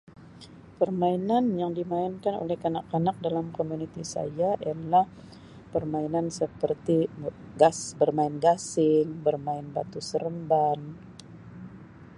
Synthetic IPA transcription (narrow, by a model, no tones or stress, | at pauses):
pərmainanjaŋdimaɪnkano̰lɛhkanakːanak̚dalamkomunit̪isa̰jaialah | pərmainansəpərt̪i | ɡasbərmaɪnɡasɪŋbərmaɪnba̰t̪usəɾəmban